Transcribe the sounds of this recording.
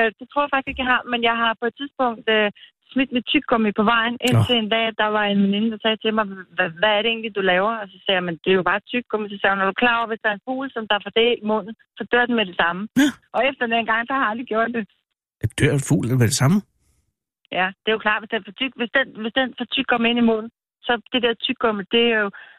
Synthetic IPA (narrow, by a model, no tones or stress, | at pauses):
d̥e̝t͡sʰʁo̰ɐɑfɑɡ̥si̥e̝̥ɡ̥jaɦɑmenjɑ̈ɪɦɑ̈pʰɒ̽e̝d̥̚t͡sʰiðˠsb̥ɔ̽ŋ̰d̥ø | smid̥me̥t͡sʰyɡ̥ʰɔ̽mipʰɒ̽ʋɑ̈ɪ̰nʔet͡sʰeend̥ɛ̰ːd̥ɑ̈ʋɑ̈e̝nʋeninəd̥ɑ̈sɛːt͡sʰe̝lmɑ̈ɪʋæːɐɾeḛːnlid̥ulɛːʊɐɒ̽sɒ̽sɛ̰ːjmend̥eæjob̥ɑ̈ːt͡sʰyɡ̥ɡ̥ɔ̽misɒsɛːnɒd̥ukʰlɑ̰̈ːʊɐʋe̝sd̥ɑ̈ɐenfṵːlsɒ̽md̥ɑ̈æfɒd̥ḛːlmɔn̰n̩ | sɒ̽d̥øɐ̰d̥en̩meɾ̥e̝sɑ̈məʔɒ̽efd̥ɐenæn̩ɡ̥ɑ̈ŋ̰sɑ̈hɑ̈æld̥ʁiɡ̥jo̝ɐ̰d̥ːe̝ | d̥øɐ̰fṵːlelʋæd̥esɑ̈mə | jæd̥e̝æjokʰlɑ̈ːd̥ʋesd̥enfɒt͡sʰyɡ̥ʋesd̥enʋe̝sd̥enfɒt͡sʰyɡ̥̚kʰɒ̽m̰e̝n̰imɔ̽n̰n̩ | sɒ̽d̥ed̥eɐt͡sʰyɡ̥ɡɔ̽məd̥e̝æjo̝